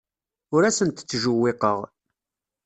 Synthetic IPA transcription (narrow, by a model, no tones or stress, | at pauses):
ʊɾæsənt̪t͡sːʒʊwːeqəʁ